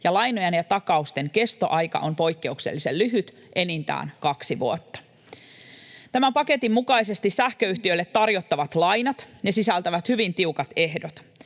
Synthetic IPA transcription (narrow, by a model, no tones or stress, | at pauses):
jɑlɑjno̞jenjɑt̪ɑkɑust̪e̞ŋke̞st̪o̞ʔɑjkɑ̰ʔo̞mpo̞jkːe̞ukse̞̰lːiselːyɦyt̪ | ʔenint̪æ̰ːnkɑksiʋuot̪ːɑ̥ | t̪æmæmpɑke̞t̪imːukɑjse̞st̪isæhkøyht̪iøjlːet̪ːɑrjo̞t̪ːɑʋɑt̪lɑjnɑt̪nesisælt̪æʋæt̪hyʋint̪iukɑt̪e̞hdot̪